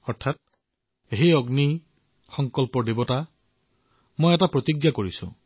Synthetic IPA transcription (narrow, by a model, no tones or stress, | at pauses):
ɔɹt̪ʰat̪̚ | eɦiɔɡni | xɔŋkɔlpɔɖebɔta | mojetapɹɔt̪iɡjakoɹisṵ̃